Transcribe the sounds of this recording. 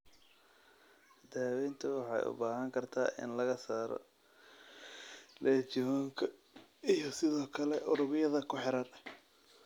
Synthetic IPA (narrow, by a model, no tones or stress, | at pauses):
d̪aːwɛjnt̪ʰʊwɑħɑ̰jʔʊ̰baːɦɐŋkʰɐrt̪ʰa̰ːʔɪ̰nlɐɣɐsaːɾɔ̰ | lʔɛt͡ʃɪɔːŋkʰɐ | ijɔsɪðɔːkʰɐlɛʔʊɾʊβɪjɐðɐkʰʊħɪɾarɐ